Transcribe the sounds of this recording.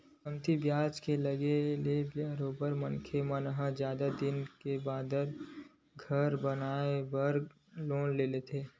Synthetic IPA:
əmt̪ibjaːd͡ʒkeləɡelebjaɾoːbəɾmənkʰemənɦə̃d͡ʒjaːd̪ad̪ɪnkebaːd̪əɾ | ɡʱəɾbənaːebəɾ | loːnleːlet̪ʰeː

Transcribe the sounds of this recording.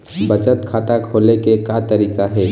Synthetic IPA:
bət͡ʃət̪kʰaːt̪akʰoːlekekat̪əɾiːkaɦɛ

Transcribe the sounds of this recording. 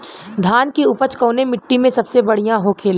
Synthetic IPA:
d̪ʱaːnkiʊpət͡ʃkõːnemɪʈːimẽsɐbsebɐɽ̤ijãɦoːkʰeːl

